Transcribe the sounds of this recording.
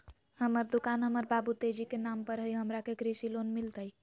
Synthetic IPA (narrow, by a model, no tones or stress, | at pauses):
həməɾd̪ukanɦəməɾbabut̪ed͡ʒikenampəɾɦəjɦəmɾakekɾisilonmilt̪əj